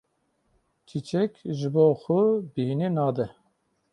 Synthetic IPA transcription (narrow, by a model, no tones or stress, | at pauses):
t͡ʃʰit͡ʃɛkʒɨboːxʊbihinenɑːd̪ɛ